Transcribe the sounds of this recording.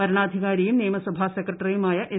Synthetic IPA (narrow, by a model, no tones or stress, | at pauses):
pɐɾɐɳaːd̪ʱiɣaːɾijumnijɐmɐsɐbʱasekrɐʈːrijumaːjɐʔe